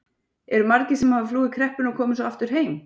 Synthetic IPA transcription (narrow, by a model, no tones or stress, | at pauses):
ɛɾʏmaɾcɪsɛmhavɪfluːðɪkʰɾɛhpɪnɔɣkʰɔːmɪnsɔaft̪ʏɾ̥ɦeːjm